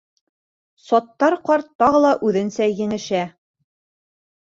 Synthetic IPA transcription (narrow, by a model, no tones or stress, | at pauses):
sɒt̪ːɑɾqɒɾt̪ːɑʁɤlˠɑʔʉðɘ̆nsæjɘ̆nɘ̆ʃæ